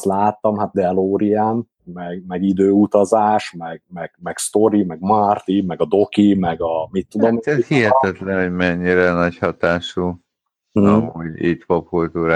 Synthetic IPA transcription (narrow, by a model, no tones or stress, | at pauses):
t̪laːt̪ːɒmɦat̪̚d̪ɛloːɾijaːn | mɛɡmɛɡid̪øːut̪ɒzaːʃmɛɡmɛɡ̥mɛɡst̪o̞ɾimɛɡmɒrt̪imɛɡɒd̪o̞kimɛɡɒmit̪ːud̪omɛt̪hiɦɛt̪ɛt̪lɛnhoɟmɛɲːiɾɛnɒchɒt̪aːʃu | ɦoɟḭt̪pop̚kult̪uːɾaː